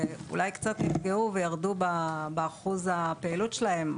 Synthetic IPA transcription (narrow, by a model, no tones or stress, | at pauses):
eṵlajkt͡satnifɡeuvejaʁdubabeaχuzapeːlutʃelaɦe̞m